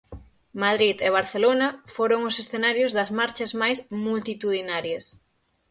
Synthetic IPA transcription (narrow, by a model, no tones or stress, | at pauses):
maðɾiðeβ̞aɾθelonɐfoɾoŋʊsesθenaɾjʊzðɐzmaɾt͡ʃɐzmajsmult̪it̪uðinaɾjɐs